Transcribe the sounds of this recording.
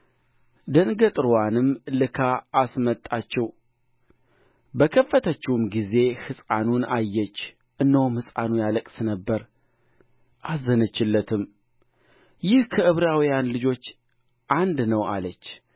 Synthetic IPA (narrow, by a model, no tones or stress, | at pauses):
d̪ənɡət̪ʼɨɾwanɨmlɨkʰaːsmət̪ʼːat͡ʃːɛw | bəkʰəfːət̪ʰət͡ʃːɛwumɡize̞hɨsʼanunajːɛt͡ʃː | ʔɨnːəwumhɨsʼanujaləkʼsnəbːəɾ | ʔazːənət͡ʃːɪlːət̪ʰɨm | jɪhkʰəʔɨβɾawijanlɨd͡ʒo̞t͡ʃː | ʔand̪nəwa̰lət͡ʃː